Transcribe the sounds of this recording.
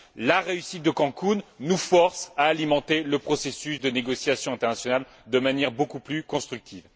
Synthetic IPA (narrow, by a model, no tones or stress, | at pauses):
laʁeysit̪̚d̪əkɑ̃kunːufɔʁsaːlimɑ̃t̪eləpχɔsesysd̪əneɡɔsjasjɔ̃ɛ̃t̪ɛʁnasjɔnal | d̪əmanjɛʁbokuplykɔ̃st̪χyk̚t̪ʰiːv